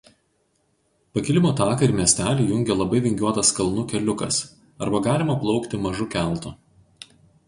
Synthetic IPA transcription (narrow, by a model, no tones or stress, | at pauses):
pɐkʲɪlʲɪmoːt̪ɑːkɐɪɾmʲiɛsʲt̪ʲæːlʲiːjʊŋʲɡʲɛlˠɐbɐɪʋʲɪŋʲɡʲuɔt̪ɐskɐlˠnʊkʲɛlʲʊkɐ̰s | ɐɾbɐɡɑːlʲɪmɐplˠɒʊkt̪ʲɪmɐʒʊkʲælˠˑt̪ʊ